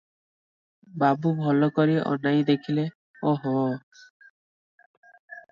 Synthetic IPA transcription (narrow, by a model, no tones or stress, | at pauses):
babubʱɔlɔkɔɾiʔɔ̰najd̪ekʰile | ɔɦɔ